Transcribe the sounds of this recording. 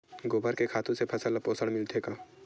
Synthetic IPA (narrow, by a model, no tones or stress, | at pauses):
ɡoːbʱəɾkekʰaːt̪ũsepʰɐsəlpoːsəɽmɪlt̪ʰeːkaː